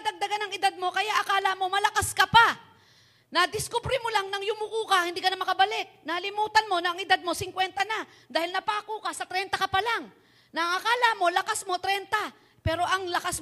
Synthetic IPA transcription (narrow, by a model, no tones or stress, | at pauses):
d̪ɐɡ̚d̪ɐɡanɐŋɪd̪ad̪̚mo̞kɐjaʔɐkaːlamo̞mɐlɐkaskɐpa | nɐd̪ɪskʊbɾɪmolaŋnɐŋjʊmukuːkahɪnd̪iːkɐnɐmɐkɐbɐlɪk̪̚nalɪmuːt̪ɐnmo̞nɐɐŋɪd̪ad̪̚mo̞sɪŋkwɛnt̪ɐna | d̪aːhɪlnɐpaːkuːkɐsɐt̪ɾɛnt̪ɐkɐpɐlaŋ | nɐʔɐŋɐkaːlamo̞lɐkasmo̞t̪ɾɛnt̪a | pɛːɾo̞ʔɐŋlɐkas